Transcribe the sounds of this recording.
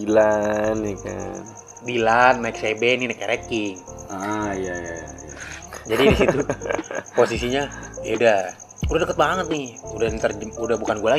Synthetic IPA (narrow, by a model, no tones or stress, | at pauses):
ilanːika̰n | bilanːaiksebɛninakɛɾekɪŋajajajad͡ʒadidisit̪u | posisiɲajaudah | udahdəkət̪̚baŋət̪̚nɪhudat̪ərd͡ʒmudabukanɡuala